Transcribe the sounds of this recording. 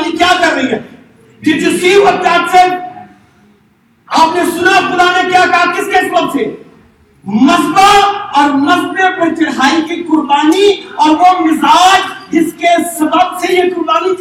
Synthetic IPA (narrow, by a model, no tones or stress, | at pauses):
likjaːkɐɾːɐɦia | d͡ʒɪd͡ʒosiːɾɔɾt̪aːpse | aːpnesʊnaxʊd̪anekjaːkɐɦakɪskesɐbəbse | mɐzbaɔːɾmɐzbepɐt͡ʃɐɽɦaːikikʊɾbaːniɔːɾʋomɪzaːd͡ʒd͡ʒɪskesɐbəbsejekʊɾbaːni